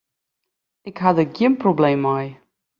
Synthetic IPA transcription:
ɪkɦadəɡɪmprobleːmːaj

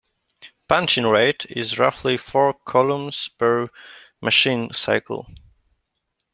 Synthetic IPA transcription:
pʰæ̃nt͡ʃɨ̃nɹeɪɾɪ̰zɹʌ̰flifɔɹkʰɔlˠə̃mz̥bə˞ | mʔɨʃĩnsa̰ɪkʰl̩ˠ

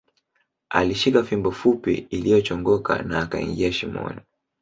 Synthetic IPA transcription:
a̰liʃikafimbɔfupḭːlijɔt͡ʃɔŋɡɔka̰naːkaḭŋɡiaʃimɔ̰ni

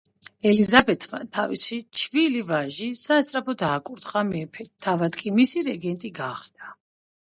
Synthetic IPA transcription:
ɛlizabɛt̪ʰma̰t̪ʰavḭsit͡ʃʰvilivaʒisast̪sʼɾapʰɔd̪aːkʼuɾd̪χamɛpʰɛːavad̪kʼimisiɾɛɡɛnt̪ʼiɡaχd̪̥a

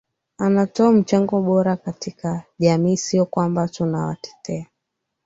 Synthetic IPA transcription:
anatɔam̩t͡ʃaŋɡɔɓɔɾakatikaʄamiːsiɔkwambatunawa̰tɛ̥tʰɛa

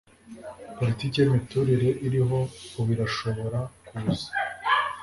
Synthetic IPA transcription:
po̞ɾitiːkeimituɾiɾe̞ʔiɾiɦo̞oβiɾaʃo̞βo̞ɾakuzḁ

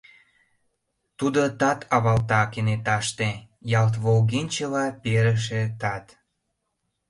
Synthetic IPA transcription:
t̪ud̪ot̪ɑt̪ʰɑβɑlt̪ɑkenet̪ɑʃt̪e | jɑlt̪̬βolɣinʲt͡ɕəlɑpeɾəʃ̬et̪ɑt̪

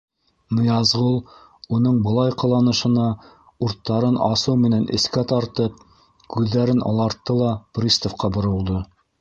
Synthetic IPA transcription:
nɤ̆jɑzʁulˠ | unɤɴbɤ̆lˠɑjqɤ̆lˠɑnɤ̆ʃɤ̆nɑ | uɾt̪ːɑɾɤnɑsɤwmɘ̆nænʔɘ̰̆skæt̪ɑɾt̪ɤp̚ | kʉðːæɾɘnʔɑ̰lˠɑɾt̪ːɤlˠɑprʲist̪ŏfqɑbŏɾɤ̆lˠd̪ɤ

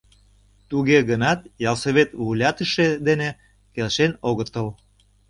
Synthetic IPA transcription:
t̪uɣeɣənɑt̪jɑlsəβet̪vulʲɑt̪əʃed̪ene | kelʃenoɣət̪əl

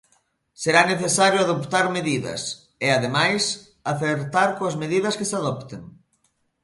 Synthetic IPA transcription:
seɾaneθesaɾjʊaðopt̪aɾmeðiðɐ̰s | ɪaðemajs | aθeɾt̪aɾkoazmeðið̞ɐskɪsaðɔpt̪eŋ

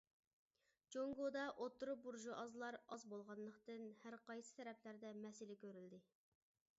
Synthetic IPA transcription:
d͡ʒoŋɡod̪ɑʔot̪ːuɾup̚buɾʒuʔɑzlˠɑɾɑzbolˠʁɑnlˠəqt̪ɨnhæɾqɑjsɨ̥t̪ʰɛɾɛpʰlæɾd̪ɛmɛsɪlɪkʲʰøɾyld̪ɪ

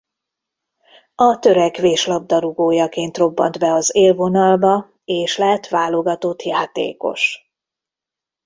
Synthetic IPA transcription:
ɒt̪ø̞ɾɛkʋeːʃlɒb̚d̪ɒɾuɡoːjɒkeːnt̪ro̞bːɒ̰nd̪bɛɒzeːlvo̞nɒlbɒ | eːʃlɛɦɛt̪ʋaːlo̞ɡɒt̪o̞t̪jaːt̪ḛːko̞̰ʃ

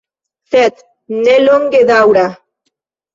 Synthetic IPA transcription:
θet̪ | neloŋɡeðawɾa

